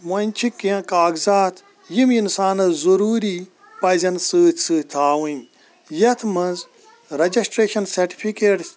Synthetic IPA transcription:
mɐnʲt͡ʃʰikːiãkaːɡzaːt̪ʰ | jiminsaːnɐzɐɾuːɾi | pɐzʲɐnsɨːsɨːt̪ʰaːwũi | jɐt̪ʰmɐ̃nz | ɾɐd͡ʒɐsʈɾeːʃɐnsɐɾʈi̥pʰikeːʈs

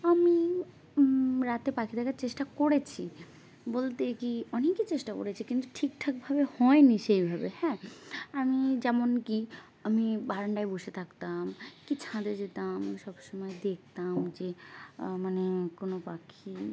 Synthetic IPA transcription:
ami | ɾat̪epakʰid̪ʰakaɾt͡ɕeʃʈakoɽet͡ɕʰi | bolt̪ekiɔnekit͡ɕeʃʈako̰ɾet͡ɕʰikint̪uʈʰik̚ʈʰak̚bʱabehɔeniʃejbʱabehɛ̃amid͡ʑɛmonki | amibaɾaɳɖaeboʃet̪ʰakt̪amkit͡ɕʰãd̪ed͡ʑet̪amʃɔbʃomɔed̪ek̚ʰt̪amd͡ʑemanekonopakʰi

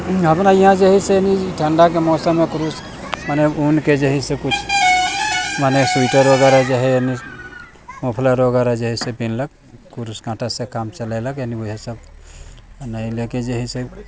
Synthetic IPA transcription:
ɦəpnaiɦãd͡ʒeɦiseniʈʰəɳɖak̬emɔsəmːekuɾus | maneunked͡ʒeɦisẽkut͡ʃʰ | manesuʈəɾoɡaɾad͡ʒeɦɛjəni | mopʰlaɾoɡaɾad͡ʒeɦisẽbinlək | kuɾusɡãʈasekamt͡ʃəlaɪləkjaniuɦesəb̚ | najleked͡ʒeɦise

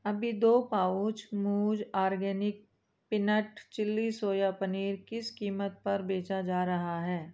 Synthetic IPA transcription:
ɐbʱid̪oːpaːut͡ʃmuːd͡ʒaːɾɡɛːnɪk̚ | pɪnəʈt͡ʃɪlːisoːjapɐniːɾkɪskiːmət̪̚pɐɾbeːt͡ʃad͡ʒaːɾɐɦaɦɛː

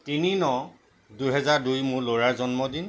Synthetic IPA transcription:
tininɔ | duɦɛzaɹdujmʊɹloɹaɹzɔnmɔdin

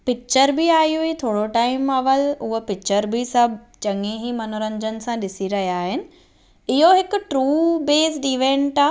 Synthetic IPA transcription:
pɪk̚t͡ɕəɾbɪaːijuit̪ʰoːɽoʈaːɪmɐʋəlʊɦəpɪk̚t͡ɕəɾbisɐbʱ | t͡ɕɐŋeɦimɐnoɾə̃ɲd͡ʑənɪ̆sãɗɪsiɾɐɦijaːɦɪnɪ̆ | ɪɦoɦɪkʊ̆ʈɾuːbeːsʈiːʋẽːɳʈaː

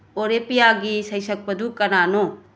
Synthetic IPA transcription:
oɾepijaɡisɐjsɐk̚pɐdukɐnano

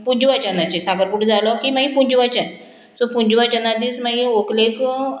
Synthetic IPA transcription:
puɲd͡ʑuʋat͡ɕanat͡ɕesakəɾkuʈd͡zalɔkiːmaɡipuɲd͡ʑuʋat͡ɕa | sopuɲd͡ʑuʋat͡ɕənad̪iːsmaɡioklek

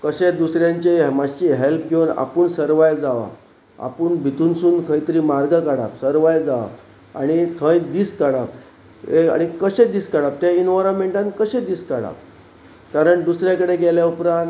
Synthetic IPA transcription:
kəɕed̪usɾjãɲt͡ɕemaɕiɦelp̚ɡʱewna̰pəɳsəɾʋajld͡zaʋa̰ | a̰pəɳbʱit̪unsuːnkʰəjt̪əɾiːmaɾɡəkaɽa̰psəɾʋajld͡zaʋa̰ | aɽ̃it̪ʰə̃jd̪iːskaɽap | ea̰ɽ̃ikəɕed̪iːskaɽap̚t̪jainʋaɾəmeɳʈãnkəɕẽd̪iːskaɽa̰p | kaɾəɳd̪usɾjakəɽeɡɛljaupɾãnt̪

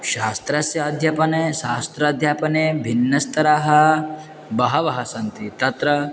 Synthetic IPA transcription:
ʃaːst̪ɾɐsjɐːd̪ʱjɐpɐneːʃaːst̪ɾɐd̪ʱjaːpɐneːbʱinːɐst̪ʰɐɾaːɦɐ | bɐɦɐʋɐɦɐsɐnt̪it̪ɐt̪ɾɐ

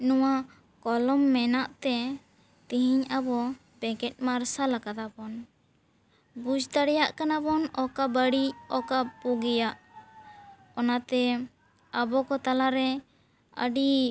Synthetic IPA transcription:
nɔwa | kɔlɔmːɛnaʔt̪ɛ | t̪iɦiɲabɔ | bɛkɛt̪̚ˀmaɾsalakad̪apɔn | bud͡ʒt̪aɽɛjaʔkanabɔnɔkabəɽiɔkapuɡɛjaʔ | ɔnat̪ɛ | abɔkɔt̪alaɾɛ | ə̰ɖi

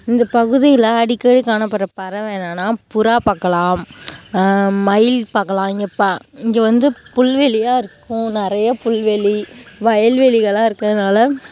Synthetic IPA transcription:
ɪnd̪ɐpɐɣɯðɪjlɐɐɽɪkːɐɽikːaːnɐpːɐɾɐpɐɾɐʋeːɳanaːpʊɾaːpaːkːɐlaːm | mɐɪlpaːkːɐlãːɪŋɡɐpːaːɪŋɡeʋɐnd̪ɯpʊɭʋɛɭɪjaːɪɾɯkːʊ̃nɪɾɐjɐpʊɭʋɛɭiʋɐjɐlʋɛɭɪɣɐɭãːɪɾɯkːɐðɯnaːlɐ

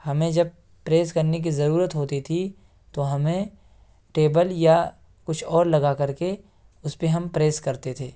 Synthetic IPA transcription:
hɐmẽd͡ʒɐb̚ | pɾeːskɐɾnek̬izɐɾuːɾət̪ɦoːt̪it̪ʰi | t̪oɦɐmẽ | ʈeːbəlja | kʊt͡ʃʰɔːɾlɐɡakɐɾke | ʊspeɦɐmpɾeːskɐɾt̪et̪ʰeː

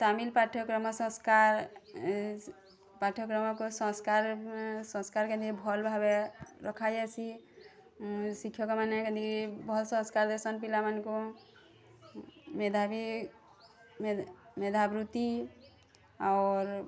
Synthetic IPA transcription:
t̪amilpaʈʰɔkɾɔmɔsə̃skaɾ | paʈʰɔkɾɔmɔkosə̃skaɾsə̃skaɾkẽd̪ʱiibʱɔlbʱabeɾɔkʰad͡ʒat͡ʃʰi | sikʰjɔkemaneked̪ʱibʱɔlsə̃skaɾd̪əɾsənpilamanko | med̪ʱabi | med̪ʱabɾut̪i | a̰oɾ

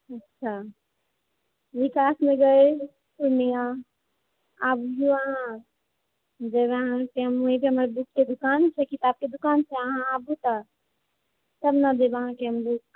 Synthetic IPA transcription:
ɐtːʃʰa | ʋɪkaːsmẽɡɐe | pʊɾnija | aːbɡuaɦã | d͡ʒɐbɐɦãkeɦɐmoɦĩbʱiɦɐmaːɾeb̪ʊkked̪ʊkaːnt͡ʃʰekit̪aːb̚ked̪ʊkaːnt͡ʃʰeəɦãaːbut̪a | t̪ɐbnad͡ʒebəɦãkeɦɐmd̪uk

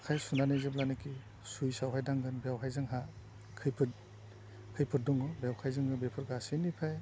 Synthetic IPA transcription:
kʰajsunanajzeblanɯkʰi | sujsawɦajdaŋɡɯnbejawɦʰajzɯŋɦa | kʰɯjpʰɯt | kʰɯjpʰɯɾ̚dɔŋɔbjawkʰajzɯŋɡɯbepʰɯɾɡasinipʰaj

